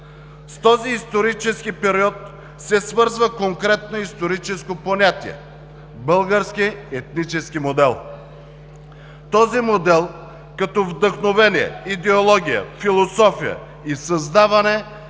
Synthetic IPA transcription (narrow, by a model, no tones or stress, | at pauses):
st̪ɔziːst̪oɾit͡ʃɛskipɛɾiɔt̪ | sɛsvɤɾzvəkoŋkɾɛt̪̚noist̪oɾit͡ʃɛskoponʲat̪iɛ̰ | bɤlˠɡəɾskiɛt̪nit͡ʃɛskimod̪ɛlˠ | t̪ɔzimod̪ɛlˠ | kɐt̪ɔvd̪əxnovɛniɛ̰id̪ɛolˠɔɡʲijə̰filˠosɔfijə̰ | isɐzd̪avɐnɛ